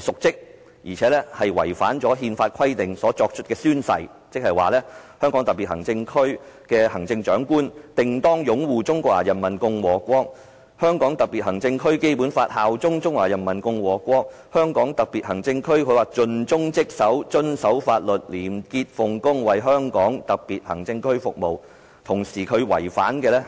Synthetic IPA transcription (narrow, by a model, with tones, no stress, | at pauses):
sʊ˨k̚t͡sɪ˥k̚ | jiː˨˩t͡sʰɛː˨˥lɛː˥hɐ˨jwɐ̰˨˩jfaː˨˥nt͡sɔː˨˥ɦiː˧nfaː˧t̚kʰɐ˥jt̪ɪ˨ŋsɔː˨˥t͡ʃɔː˧k̚t͡ʃʰɵ˥t̚kɛː˧syː˥nsɐ̰˨j | t͡sɪ˥k̚hɐ˨˩jwa̰ː˨lɛː˥hœː˥ŋkɔ˨˥ŋt̪ɐ˨k̚piː˨t̚hɐ˨˩ŋt͡sɪ˧ŋkʰɵ˥ɥkɛː˧hɐ˨˩ŋt͡sɪ˧ŋt͡ʃœː˨˥ŋkuː˥nt̪ɪ˨ŋt̪ɔː˥ŋjʊ˨˥ŋwuː˨t͡sʊ˥ŋkʷɔː˧k̚ʔa̰ː˨˩jɐ˨˩nmɐ˨˩nkʊ˧ŋwɔː˨˩kʷɔː˥k̚ | hœː˥ŋkɔː˨˥ŋt̪ɐ˨k̚pi˨thɐ˨˩ŋt͡sɪ˧ŋkʰɵ˥ɥke˥jpuː˨˥nfaː˧t̚haː˨wt͡sʊ˥ŋt͡sʊ˥ŋwaː˨˩jɐ˨˩nmɐ˨˩nkʊ˧ŋwɔː˨˩kʷɔː˧˥k̚hœː˥ŋkɔː˨˥ŋt̪ɐ˨k̚piː˨t̚hɐ˨˩ŋt͡sɪ˧ŋkʰɵ˥ɥkʰɵ˨˧ɥwaː˨˩t͡ʃɵ˧nt͡ʃʊ˥ŋt͡sɪ˥k̚sɐ˨˥wt͡ʃɵ˧nsɐ˨˥wfaː˧t̚lɵ˨˩t̚liː˨˩mkiː˧t̚fʊ˨ŋkʊ˥ŋwɐ˨jɦœː˥ŋkɔː˨˥ŋt̪ɐ˨k̚piː˨t̚hɐ˨˩ŋt͡sɪ˧ŋkʰɵ˥ɥfʊ˨k̚mo˨w | t̪ʰʊ˨˩ŋsiː˨˩kʰɵ˨˧ɥwɐ̰˨˩jfa̰ː˨˥nkɛː˧lɛː˥